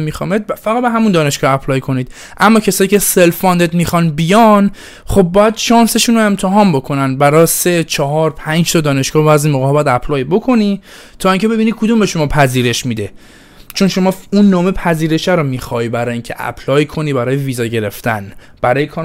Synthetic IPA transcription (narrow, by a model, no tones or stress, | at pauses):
mixɒmed̪̚fæɣæd̪̚beɦæmund̪ɒːne̞ʃɡ̥ɒæpʰlɒːjkʰo̞niːd̪̥ | ʔæmːɒːcʰesɒːjiːcʲʰe̞se̞lfɒnd̪ed̪miːxɒnbijɒn | χo̞b̚ːɒːjæd̪ʃɒːnse̞ʃuːnoe̞mt̪ʰeɦɒːmbo̞kʰo̞nænbæɾɒse̞t͡ʃʰɒɦɒːɾpʰænd͡ʒt̪ʰɒːd̪ɒːne̞ʃɡ̥ɒːbæzimoɣeɒbjæd̪æpʰlɒːjbo̞kʰo̞ni | t̪ʰɒːiːŋcʰe̞be̞binikʰud̪umbe̞ʃo̞mɒːpʰæziːɾe̞ʃmid̪e | t͡ʃʰo̞nʃo̞mɒːunːɒːme̞pʰæziːɾe̞ʃæɾomiːxɒjbæɾɒːjiŋcʰḛʔæ̰pʰlɒːjkʰo̞niːbæɾɒːjeviːzɒːɟe̞ɾe̞ft̪æ̰n | b̥æɾɒːjekʰːn